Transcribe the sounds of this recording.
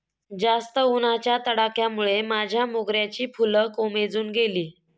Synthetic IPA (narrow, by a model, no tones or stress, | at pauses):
d͡zast̪əunat͡ɕjat̪əɽakjamuɭemad͡ʑʱjamoɡɾjat͡ɕiːpuləkomed͡zuːnɡeliː